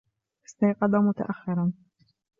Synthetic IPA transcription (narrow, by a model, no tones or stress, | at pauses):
ʔɪ̥st̪ɑjqɑd̪ˤɑmʊt̪a̰ʔaxːɪɾˤɑn